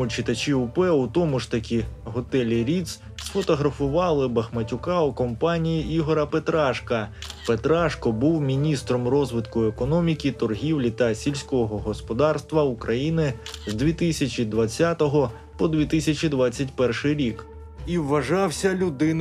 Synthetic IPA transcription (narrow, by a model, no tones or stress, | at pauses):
mʊt͡ʃɪt̪ɐt͡ʃʲiupɛut̪ɔmʊʐt̪ɐkʲiɦɔt̪ɛlʲiɾʲit̪s | sfɔt̪ɔɦɾɐfʊʋɑlˠɪbɐxmɐtʲʊkɑukɔmpɑnʲijiiɦɔɾɐpet̪ɾɑʃkɐpet̪ɾɑʃkɔbuwmʲinʲist̪ɾɔmrɔzʋɪt̪kʊekɔnɔmʲikʲit̪ɔrɦʲiwlʲit̪ɐsʲilʲsʲkɔɔɦɔɦɔspɔd̪ɑrst̪ʋɐukɾʔɐjinɪzd̪ʋʲit̪ɪsʲɐt͡ʃʲid̪ʋɐt͡sʲːat̪ɔɦɔ | pɔd̪ʲʋʲit̪ɪsʲɐt͡ʃʲid̪ʋat͡sʲːɐtʲpɛrʃɪjɾʲik | iwːɐʒɑwsʲɐlʲʊd̪ɪn